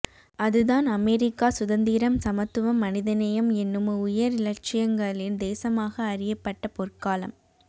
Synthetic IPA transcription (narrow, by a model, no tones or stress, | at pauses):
ɐðɯðaːnɐmɛːɾɪkːaːsʊðɐnd̪iːɾɐmsɐmɐt̪ːɯʋɐmːɐnɪðɐnɐjɐmɛnːɯmʊjɐɾɪlɐɾt͡ʃːɪjɐŋɡɐɭɪnd̪eːsɐmaːɣɐːrɪjɐpːɐʈːɐpɔrkaːlɐ̰m